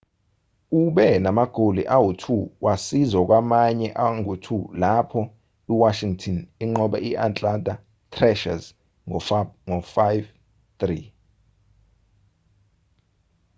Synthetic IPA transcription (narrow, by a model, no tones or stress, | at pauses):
uɓɛnamaɡ̥ʱoliʔawotʰuwʔasizɔk̬ʼwamaɲɛʔaŋotʰulapʰɔ | iwaʃiŋtʰɔniŋ͡ǃɔɓɛ̰ʔiʔant͡ɬʼantʼa | tʰrɛʃa̰z | ŋɔfajv | t̪ri